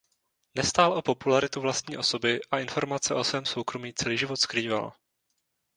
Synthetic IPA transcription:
nɛst̪aːlʔo̞po̞pulaɾɪt̪uvlast̪ɲiːʔo̞so̞bɪʔaɪnfo̞ɾmat͡sɛʔo̞svɛːmso̞wkɾo̞miːt͡sɛliːʒɪvo̞t̪skɾiːva̰l

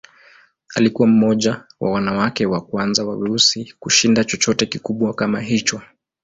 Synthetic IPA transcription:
a̰likuwam̩mɔʄawʔa̰wanawakɛwakwanzawaviɾusikuʃindat͡ʃɔt͡ʃɔtɛkikuɓwakamaɦit͡ʃɔ

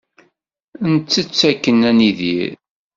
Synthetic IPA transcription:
nt͡s̪ːət͡sːækːənæniðḭɾ

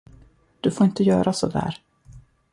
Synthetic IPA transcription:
d̪̥ɵfoːɾɪnt̪əjœːɾasɔd̪æ̰ːɾ

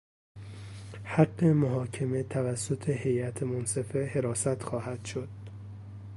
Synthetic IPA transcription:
hæɡːe̞moɦɒːcʰeme̞t̪ʰævæsːot̪ʰehe̞jæt̪ʰemonse̞fe̞he̞ɾɒːsæt̪xɒːhæd̪̥ʃo̞d̪̥̚

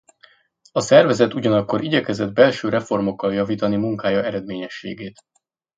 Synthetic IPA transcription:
ɒsɛrvɛzɛt̪uɟɒnɒkːo̞ɾiɟɛkɛzɛd̪̚bɛlʃøːɾɛfo̞rmo̞kːɒljɒviːt̪ɒnimuŋkaːjɒɛɾɛd̪meːɲɛʃːḛːɡeːt̪

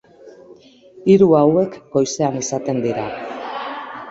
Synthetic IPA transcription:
iɾuawe̞kɡo̞jse̞anisat̪e̞nd̪iɾa

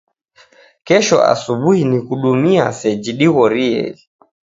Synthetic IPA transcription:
kɛʃɔ̰ʔa̰suɓuhinikuɗumiasɛd͡ʒiɗiɣɔɾiɛ̰li

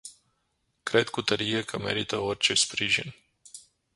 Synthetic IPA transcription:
kɾed̪kut̪əɾijekʰəme̞̰ɾit̪əorʲt͡ʃespɾiʒḭn

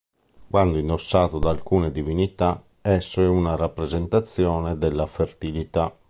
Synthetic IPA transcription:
kwand̪oinɔsːaːt̪od̪alkuːnɛd̪ivinit̪a | ɛsːoɛunaɾapːɾɛzɛnt̪at̪sːjɔːnɛd̪ɛlːafert̪ilit̪a

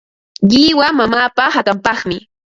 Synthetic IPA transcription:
ʎɪwamamaːpahat̪ampɑχmɪ

